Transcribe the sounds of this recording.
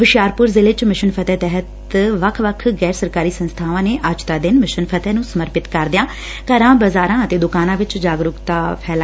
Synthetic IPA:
hʊʃɪjaːɾpʊɾzɪlɪt͡ʃmɪʃənpʰət̪ɛːt̪ɛːɦət̪ | ʋəkʰʋəkʰɡɛːɾsəɾkaːɾiːsənst̪ʰaːʋãːneːʔəd͡ʒt̪aːd̪ɪnmɪʃənpʰət̪ɛːnũːsəməɾpɪt̪kəɾd̪ɪjãː | kəɾãːbəzaːɾãːət̪eːd̪ʊkaːnãːʋɪt͡ʃd͡ʒaːɡɾʊkt̪aːpʰɛːla

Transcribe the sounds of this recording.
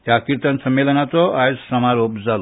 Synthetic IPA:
jakiɾt̪ənsəmːelənat͡s̪ɔajzsɐmaɾopd͡zalo

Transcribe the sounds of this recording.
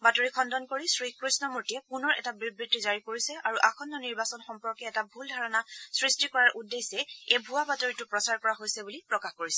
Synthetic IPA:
batɔɹikʰɔndɔnkoɹisɹikɹisnɔmuɹtijɛpunɔɹʔɛ̰tabɹibɹitːizaɹikoɹisɛʔaɹuʔaxʰɔnːɔniɹbasɔnxɔmpɔɹkɛːtabʱuldʱaɹɔnasɹistikɔɹaɹʔudejsɛebʱuabatoɹitʊpɹɔsaɹkɔɹaɦojsɛbulipɹɔkaxkoɹisɛ

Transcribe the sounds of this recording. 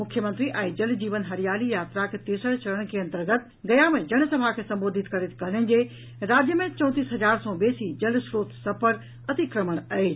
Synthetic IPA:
mʊkʰjəmə̃nt̪ɾiʔɛ̃ːd͡ʑɐld͡ʑiːʋənɦɐɾijaːlijaːt̪ɾakʰet̪eːsəɽt͡ɕɐləɽ̃kʰeɐ̃nt̪əɾɡət̪ | ɡɐjamẽd͡ʑɐɽ̃sɐbʱakʰesɐ̃mboːd̪ʱɪt̪kɐɾet̪ʰkɐɦnən̆d͡ʑe | ɾaːd͡ʑjəmẽt͡ɕɐ̃ʊ̃t̪iːsɦɐd͡ʑaːɾsɔbeːsid͡ʑɐlsɾoːt̪sɐpʰəɾ | ɐt̪ikɾəməɽ̃ɐe

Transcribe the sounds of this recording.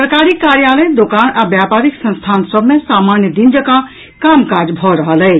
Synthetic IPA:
ɾkaɾikːaɾjaləjd̪okanabjapaɾiksə̃nst̪ʰansəbʱmesamanjəd̪ind͡ʒəkã | kamkad͡ʒbʱɔɾəɦələɪ

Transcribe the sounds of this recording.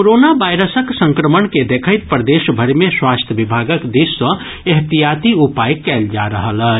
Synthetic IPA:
koɾonabajɾəsəksə̃ŋkɾəmənked̪ekʰəjt̪̚pɾəd̪esbʱəɾmeswast̪ʰjəbibʱaɡəkd̪isːə̃ | eɦt̪ijat̪iupajkɛld͡ʒaɾəɦələ

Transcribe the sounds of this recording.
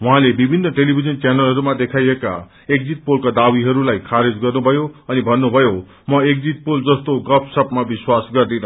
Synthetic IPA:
wuɦãlebibʱinːʌʈelibʱid͡zʌnt͡sjanʌlɦʌɾumad̪ekʰajeka̰ | ek̚d͡zit̪̚polkad̪awiɦʌɾulajkʰaɾed͡zɡʌrnubʱʌjoʌnibʱʌnːubʱʌjo | mʌek̚d͡zit̪̚pold͡zʌst̪oɡʌpʰsʌpmabiswasɡʌrd̪inʌ

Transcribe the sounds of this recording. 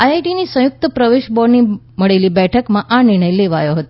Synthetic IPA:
ajajʈinisə̃jʊk̚t̪əpɾəʋeʃbɔɾni | məɭelibɛʈʰəkmãʔanɪɾɳ̃əjleʋajoɦət̪o

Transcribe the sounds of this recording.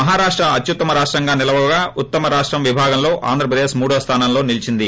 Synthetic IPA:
mɐɦaːɾaːʂʈɾɐɐt̪jut̪ːɐmɐɾaːʂʈɾɐŋɡaːnilɐʋɐʋɐɡaːut̪ːɐmɐɾaːʂʈɾɐmʋibʱaːɡɐmlo̞ːʔa̰ːnd̪ɾɐp̬ɾɐd̪e̞ːʃmuːɽɐʋɐst̪ʰaːnaːmlo̞ːnilit͡ʃind̪i

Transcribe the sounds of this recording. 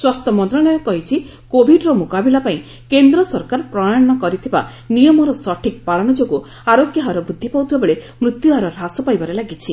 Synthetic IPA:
swast̪ʰɔmɔnt̪ɾaɽɔjɔkɔɦit͡ʃʰi | kobʱiɖɾɔmukabilapaĩ | kend̪ɾɔsɔɾkaɾpɾɔɽnɔkɔɾit̪ʰiba | nijɔmɔɾɔsɔʈʰik̚palɔɽ̃ɔd͡ʒoɡu | aɾokjaɦaɾɔbɾud̪ʱːipawt̪ʰibabeɭe | mɾut̪juɦaɾɔɾasɔpajbaɾelaɡit͡ʃʰi

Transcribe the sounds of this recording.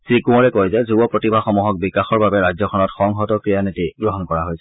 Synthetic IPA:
sikũɔɹɛkojzɛzubɔpɹɔtibʱaxɔmuɦɔk̚bikaxɔɹbabɛɹajzɔkʰɔnɔtxɔŋɦɔtɔkɹijanetiɡɹɔɦɔnkɔɹaɦojsɛ

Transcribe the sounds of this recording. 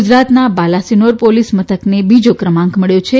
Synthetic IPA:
d͡ʒɾat̪nabalasinoɾpolismət̪ʰəknebid͡ʒokɾəmãŋkʰməɭjõt͡ʃʰe

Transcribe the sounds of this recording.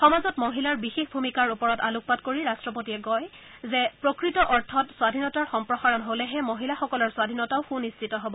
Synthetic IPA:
xɔmazɔtmoɦilaɹbixexbʱumikaɹupɔɹɔtaluk̚patkoɹiɹastɹɔpotiɛɡɔjzɛpɹokɹitɔʔɔɹtʰɔtswadʱinɔtaɹxɔmpɹɔxaɹɔnɦolɛɦɛmoɦilaxɔkɔlɔɹswadʱinɔtaʊxunistʰitɔɦɔbɔ

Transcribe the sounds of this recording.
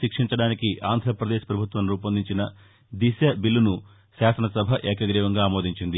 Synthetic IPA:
ikʂiɲt͡ʃɐɽaːnikiʔaːnd̪ʱɾɐpɾɐd̪eːʃɐpɾɐbʱut̪ʋɐnɾuːpɐnd̪iɲt͡ʃinɐ | d̪isjɐbilːunu | ʃaːsɐnɐsɐbʱɐʔɛːkɐɡɾiːʋɐŋɡaːmoːd̪ʱiɲt͡ʃind̪i

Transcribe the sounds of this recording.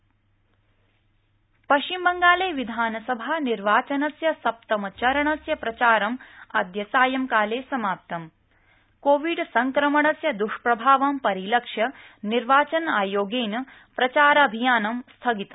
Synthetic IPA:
pɐʃt͡ʃimbɐŋɡaːleːʋid̪ʱaːnɐsɐbʱaːniɾʋaːt͡ʃɐnɐsjɐsɐp̚t̪ɐmɐt͡ʃɐɾɐɳɐsjɐpɾɐt͡ʃaːɾɐmɐ̰d̪ʱjɐsaːjɐmkaːleːsɐmaːp̚t̪ɐm | koːʋiɖsɐŋkɾɐmɐɳɐsjɐd̪uʂpɾɐbʱaːʋaːmpɐɾilɐkʂjɐ | niɾʋaːt͡ʃɐnaːjoːɡeːnɐ | pɾɐt͡ʃaːɾɐɐbʱijaːnɐmst̪ʰɐɡit̪ɐm

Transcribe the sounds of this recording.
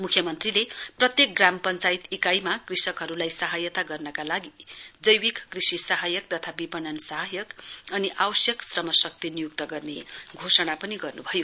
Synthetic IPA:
mukʰjʌmʌnt̪rileprʌt̪jek̚ɡrampʌnt͡sajit̪ikajmakrisʌkɦʌɾulajsaɦajʌt̪aɡʌrnʌkalaɡid͡zʌjwikkrisisaɦajʌk̚t̪ʌt̪ʰabipʌnʌnsaɦajʌkʌniʔawʌsjʌksrʌmʌsʌk̚t̪inijukt̪ʌɡʌrneɡʱosʌɽ̃apʌniɡʌrnubʱʌjo

